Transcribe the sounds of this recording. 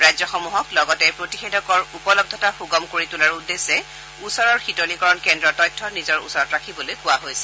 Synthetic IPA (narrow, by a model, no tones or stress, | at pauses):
ɹajzɔxɔmuɦɔklɔɡɔtɛpɹotixedɔkɔɹupɔlɔb̚d̪ʱɔtaxuɡɔmkoɹitulaɹudːesɛ | usɔɹɔɹxitolikɔɹɔnkɛndɹɔtɔjtʰːɔnizɔɹṵsɔɹɔtɹakʰibɔlojkʊwaɦojsɛ̥